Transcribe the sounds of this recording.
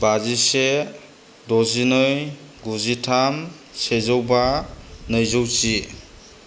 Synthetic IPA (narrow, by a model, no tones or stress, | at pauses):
bazise | dɔzinɯj | ɡuzitʰam | sezɔwbanɯjzowt͡ʃi